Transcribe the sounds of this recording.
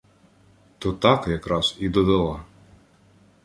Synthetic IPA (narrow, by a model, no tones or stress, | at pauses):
t̪ɔt̪ɑkjɐkɾɑzid̪ɔd̪ɐlˠɑ